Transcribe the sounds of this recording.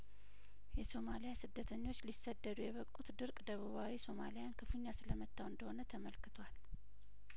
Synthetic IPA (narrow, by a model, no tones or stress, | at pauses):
jɛso̞malijasɨd̪ːət̪ʰəɲːo̞t͡ʃːlisːəd̪ːəd̪ujɛβəkʼut̪d̪ɨɾkʼd̪əβuβawiso̞malijankʰɨfɨɲːasɨləmət̪ʰʼːawɨnd̪əhonət̪ʰəməlkɨt̪ʰwal